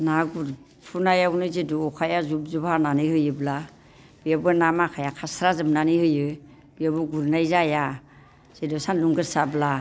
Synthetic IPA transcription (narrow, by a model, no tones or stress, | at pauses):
naɡuɾ | pʰunajaunɯzeduɔkʰajazubzubananɯhɯjɯbla | bijabɯnamakʰajakʰasɾazɯmnanihɯjɯ | bijabuɡuɾnajzaja | z̥edusanluŋɡɯɾsabla